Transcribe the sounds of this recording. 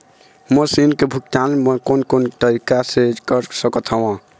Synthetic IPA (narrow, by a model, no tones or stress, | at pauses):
məsinkebʱuk̚t̪alməkonkonʈəɾikased͡ʒkəɾsəkət̪ʰɦəwã